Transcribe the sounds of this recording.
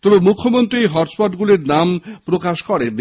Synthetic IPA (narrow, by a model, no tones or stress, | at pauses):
t̪ɔbemukʰːomont̪ɾiɦɔʈspɔʈɡuleɾnampɾokaʃkɔɾeb